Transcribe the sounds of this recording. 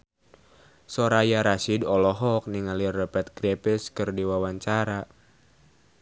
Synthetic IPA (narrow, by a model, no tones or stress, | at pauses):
sɔɾajaɾasidɔlɔɦɔk̚niŋalirɛpɛt̪̚kɾɛpɛskɨrdiwawaɲt͡ʃaɾa